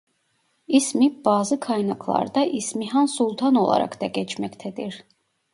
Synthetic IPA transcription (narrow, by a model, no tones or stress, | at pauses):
ismibɑːzɯkʰɑjnɑkʰlˠɑ̰ɾd̪ɑʔismiɦɑnsulˠt̪ʰɑnolˠɑ̰ɾɑ̰kd̪ɑɡʲɛt͡ʃʰmɛct̪ʰɛd̪iɾ